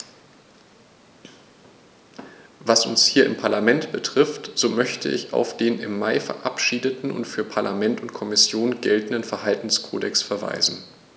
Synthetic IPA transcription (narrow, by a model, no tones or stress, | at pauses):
vasʊ̰nshiːɐɪmpʰaɐlamɛntb̥ətʁ̥ɪftz̥oːmœçtʰə̰ʔɪ̰ça̰ʊfd̥eːnɪmːaɪfɛ̰ɐʔapʃiːdətn̩ʊ̰ntfyːɐpʰaɐlʔamɛntʊntkʰɔmɪsjoːnɡɛltn̩dənfɛɐɦaltn̩skʰo̰ːdɛksfɛɐva̰ɪzn̩